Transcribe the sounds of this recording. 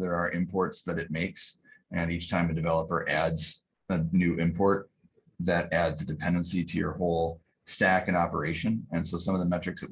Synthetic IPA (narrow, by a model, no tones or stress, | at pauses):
ðə˞ːʔɪ̃mpʰɔɹtsðɨɾɨt̚meɪks | ɨ̃nnit͡ʃtʰãɪ̃mɨdɨvɛlˠəpə˞ʔædz | ɨnʉʔɪ̃mpʰɔɹt̪̚ | ðɨɾædzɨdɨpʰɛ̃ndɨ̃nsiɾɨjə̰˞hoʊlˠ | stækɨ̃ñɑpə˞eɪʃɨ̃nɨ̃nsoʊsʌ̃mʌvðəmɛt͡ʃɹ̥ɨksðɨt̚